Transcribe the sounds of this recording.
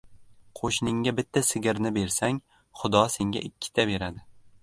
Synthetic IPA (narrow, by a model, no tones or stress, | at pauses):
qʰoʃnɪŋɡʲabɪt̪ʰːasɪɡʲɪɾnɪbe̞ɾsaŋ | χʊd̪ɒse̞ŋɡʲa̰ʔɪkʲʰːɪ̥t̪ʰabe̞ɾad̪ɪ